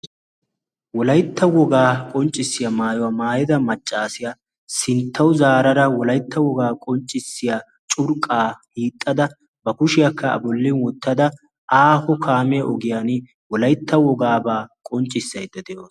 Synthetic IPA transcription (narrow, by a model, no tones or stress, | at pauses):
wɔlɐjt̪ʰːɐwɔɡaːkʼɔnt͡ʃʼːɪsːɪjɐmaːjɔwamaːjɪd̪ɐmɐt͡ʃʼːaːsɪjɐ | sɪnt̪ʰːɐwʊzaːɾɐɾɐwɔlɐjt̪ːɐwɔɡaːkʼɔnt͡ʃʼːɪsːɪja | t͡ʃʼʊɾkʼːaːhiːt̪ʼːɐd̪ɐ | bɐkʊʃɪjɐkʰːɐɐ̰bɔlːɪnwɔt̪ːɐd̪ɐ | aːhɔkʰaːmɛjɐʔɔɡɪjaːn | wɔlɐjt̪ːɐwɔɡaːbaːkʼɔnt͡ʃʼːɪsːɐjd̪ːɐd̪ɛjoːs